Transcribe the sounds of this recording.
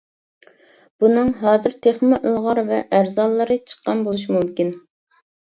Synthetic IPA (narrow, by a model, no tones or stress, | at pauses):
b̥unɨŋɦɑːzɨɾt̪ʰeχmɪʔəlˠʁɑɾvɛ̰ʔæɾzɑlˠːɨɾɨt͡ʃʰə̥qːɑnbolˠuʃ̬imumkʲin